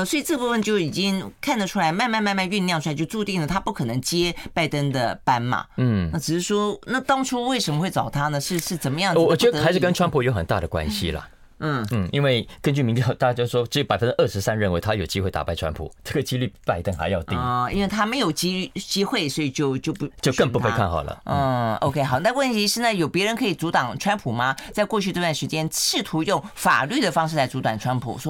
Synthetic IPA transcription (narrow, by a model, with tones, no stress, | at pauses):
ə˧˩swɔ˧˥i˨˩ʈ͡ʂɤ˥˧pu˥˧fə˨nt͡ɕjo˥˩ʊi˨˩t͡ɕi˦˥ŋkʰa˥˩nd̪ə˩ʈ͡ʂʰu˥la˧˦ɪma˥˧nma˥˧nma˥˧nma˥˧ny˥˧nljŋʈ͡ʂʰu˥a˧˥ɪt͡ɕo˥˧ʊʈ͡ʂu˥˧t̪i˥˩ŋlə˩t̪ʰa˥pu˥˩kʰɤ˨˩nə˧˦˥ŋt͡ɕjɛ˥pa˥˩ɪt̪ə˥ŋd̪ə˨pa˥nmɐ̰˨˩n̩˥˩a˥˩ʈ͡ʂɻ̩˨˩ʂɻ̩˥˩ʂwɔ˥na˥˩t̪ɑ˥ŋʈ͡ʂʰu˥we˥˩ɪʂə˧˥mə˧xwe˥˩ɪʈ͡ʂɑ˨˩ʊt̪ʰa˥nə˨ʂɻ̩˥˧ʂɻ̩˥˩t͡sə˨˩nmə˦jɑ˥˩ŋɔ˧˨˩t͡ɕɛ˧˥˧a˧˥ɪʂɻ̩˥˩kə˥nʈ͡ʂʰwa˥npʰu˨˩jo˧˥xə˨˩nt̪a̰˥˩ɾə˩kwa̰˦nɕḭ˨lɐ̰˩ | n̩˥˩n̩˥i˥nwe˥˩ɪkə˥nt͡ɕy˥˩mi˧˥ŋt̪jɑ˥˩ʊt̪a˥˩t͡ɕa˥t͡ɕjʂʂwɔ˥ʈ͡ʂɻ̩˧˥jo˧˩pa˨˩ɪfə˦˥nʈ͡ʂ̩˥ʔə˥˧˩ʂɻ̩˧˥sa˥˦nɻə˥˩nwe˧˥ɪt̪ʰa˥jo˨˩ʊt͡ɕi˥xwe˥˩ɪt̪a̰˨˩pa˥ɪʈ͡ʂʰwa̰˥npʰṵ˨˩ʈ͡ʂɤ˥˩ɡə˩t͡ɕi˥ly˥˩pa˥˧ɪt̪ə˥˩nxa̰˧ɪjɑ˥˧ʊt̪ḭ˥ḭ˥nwe˥˩ɪt̪ʰa˥me˧˥ɪjo˨˩ʊt͡ɕi˥y˥˩t͡ɕi˥xwe˥˩ɪswɔ˧˥i˨˩t͡ɕjo˥˧ʊt͡ɕjo˥˩ʊpt͡ɕjo˥˧kə˥˧ŋpu˧e˧ɪ˧kʰa˥˩nxɑ˨˩lə̰˦ɔ˥˧˥o̰˧˥ʊkʰe˥xɑ˨˩˧n˥˧˥wə˥˧n˥˩i˧˥ʂɻ̩˥˧na˥˩jo˨˩ʊpjɛ˧˥ɻə˧˥nkʰɤ˧˥i˨˩t͡su˧˥t̪ɑ˨˩ŋʈ͡ʂʰwa˥npʰu˨˩mɐ˧t͡sa˥˧ɪkwɔ˥˧t͡ɕʰy˥˧ʈ͡ʂɤ˥˧t̪wa˥˩nʂɻ̩˧˥t͡ɕjɛ˥nʂɻ̩˥˩t̪ʰu˧˥jʊ˥˩ŋfa̰˨˩ly˥˩d̪ə˩fɑ˥ŋʂɻ̩˥˩la˧˥ɪt͡su˧˥t̪wa˨˩nʈ͡ʂʰwa˥npʰṵ˨˩sɔ˥